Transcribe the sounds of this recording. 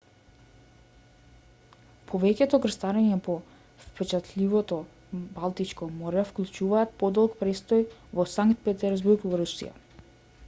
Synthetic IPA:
pʰɔvɛcɛt̪ɔɡr̩st̪aɾɛɲɛpɔ | fpɛt͡ʃat̪lʲivɔt̪ɔ | balˠt̪it͡ʃkɔmɔɾɛfklˠut͡ʃuvaːt̪̚pɔd̪ɔlˠkpɾɛst̪ɔjvɔsaŋkt̪̚pɛt̪ɛɾzbuɾɡvɔɾusḭja̰

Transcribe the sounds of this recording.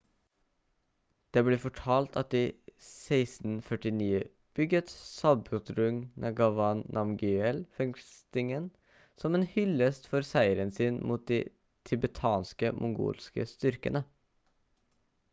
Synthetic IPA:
d̪̥eːbliːfɔʈʰɑːlt̪ɑ̰t̪̚d̪iːsæɪsn̩fœʈɪniːə | b̥ʏɡət̪sɑbʊt̪ɾʉŋnʔɑɡɑʋɑnnʔɑmɡyɛlfɛŋst̪ɪŋən | sɔmeːnhʏləst̪fɔɾsæɪəɾənsiːnmuːt̪̚d̪iː | t̪ʰʏbət̪ʰɑːnskə̰mʔʊŋɡṵːlskə̰st̪ʏɾkə̰nə

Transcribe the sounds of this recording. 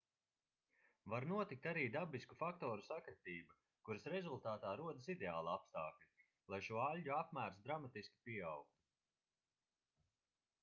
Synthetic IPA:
vaɾnuɔt̪ik̚t̪aɾiːd̪abiskufakt̪ɔːɾusakɾat̪iːba | kuɾɨsɾɛzulˠt̪aːt̪aːɾuɔd̪asid̪eaːlˠapst̪aːklʲi | lˠajʃuɔalʲɟuapmæːɾsd̪ɾamat̪isʲkʲi̥piɛawk̚t̪u̥

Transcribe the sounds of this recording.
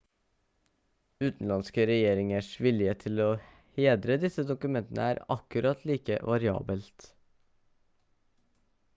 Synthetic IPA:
ʉːt̪n̩lɑnskəɾɛjeːɾɪŋəʂʋɪljət̪ʰɪloː | heːd̪ɾəd̪ɪsəd̪ʊkʉmɛnt̪ən̩ə̰æːɾɑ̰kʉɾɑt̪ʰliːkə̰ʋʔɑɾɪɑ̰ːbəlt̪

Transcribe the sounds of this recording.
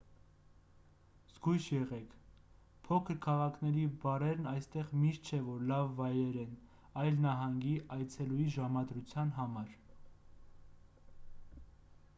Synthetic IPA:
z̥ɡujʃjɛʁɛkʰ | pʰɔkʰəɾkʰɑʁɑkʰnɛɾibɑɾɛɾnɑjst̪ɛʁmiʃt̪̚t͡ʃʰɛvɔɾlɑvːɑjɾɛɾɛn | ɑjlnɑɦɑŋɡiʔɑjt͡sʰɛlujiʒɑmɑd̪ɾut͡sʰjɑnɦɑmɑɾ

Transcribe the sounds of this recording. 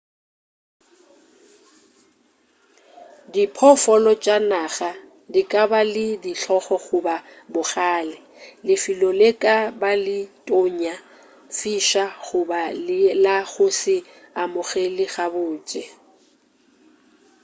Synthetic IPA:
dipʰɔfɔlɔt͡ʃʼanaɣa | dikʼabalɪdiɬʰɔχɔχʊba | bʊχaːlɛ | lɪfilɔlekʼabalɪtʼoɲa | fiʃaɣʊbalɪlaɣʊsɪ | amʊɣelɪɣabʊːt͡ʃʼɛ

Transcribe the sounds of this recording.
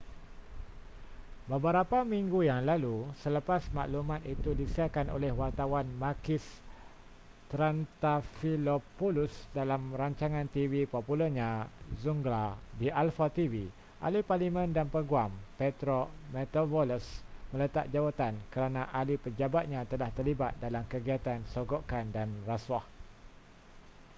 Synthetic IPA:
bəbəɾapamĩŋɡujaŋlalusələpasma̰ʔlumãt̪it̪udisiakano̰lɛhwart̪awanmakɪs | t̪ɾant̪afilopolusdalamraɲt͡ʃaŋãnt̪ivipopuləɲãzuŋɡlabiʔalfat̪ivi | ʔa̰liparlimə̃ndanpəɡuampet̪ɾomɛt̪ovoləsmə̃lət̪a̰ʔ̚d͡ʒawat̪ankəɾanãʔalipəd͡ʒabat̪̚ɲãt̪əlaht̪ərlibat̪̚dalamkəɡiat̪ansoɡoʔkandanraswah

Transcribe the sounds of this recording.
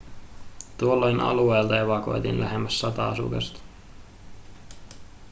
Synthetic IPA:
t̪uolːo̞jnʔɑ̰lue̞ːlt̪ɑeʋɑko̞̰jt̪ḭnlæ̰ɦemːæsːɑt̪ɑɑsṵkɑ̰st̪

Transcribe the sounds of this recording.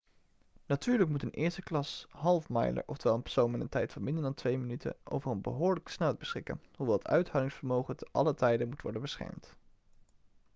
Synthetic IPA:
natyːɹləkmutənʔɪːɹstəklɑsɦɑlˠfmɑ̰jlə̰ɹʔɔftəʋɛlˠənpɛ̥ɹsownmɪnə̰ntɛjtfɑnmɪndəndɑntʋejmənytʰə̰ʔo̰wvərənbəɦʊːɹləksnɛl̚ˠbəsχɪkə̰nhuʋɛlˠətœ̰ɥtɦawdɪŋsfəɹmowχətəʔɑ̰lətɛjdənmutʋɔ̰ɹdənbəsχɛ̰ɹmt

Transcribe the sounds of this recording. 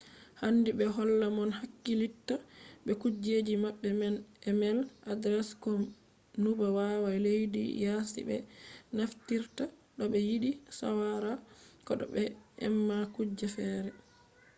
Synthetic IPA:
handibɛɦɔlːamɔnhakːilitːaɓɛkud͡ʒeːd͡ʒimaɓːɛmɛnɛmɛlʔadɾɛskɔm | nubawawajlejdḭjasḭbɛ̰naftiɾtaɗɔɓɛjiɗisa̰waɾakɔɗɔ̰ɓɛɛ̰mːakud͡ʒafɛɾɛ

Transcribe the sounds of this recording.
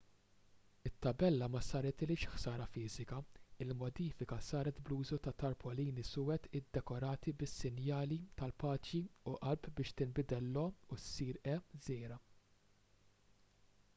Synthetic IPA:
ɪt̪ːɐbɛlːɐmɐsɐːɾɛt̪ɪlɪʃħsɐːɾɐfɪːzɪkɐɪlmɔd̪iːfɪkɐsɐːɾɛt̪bluːzut̪ɐt̪ɐɾpʰɔliːnisʊːɛt̪ɪd̪ːɛkɔɾɐːt̪ibɪsːɪnjɐːlit̪ɐlpɐːt͡ʃiuʔɐlpbɪːʃt̪ɪmbɪd̪ɛlːɔusiːɾɛzɛːɾɐ

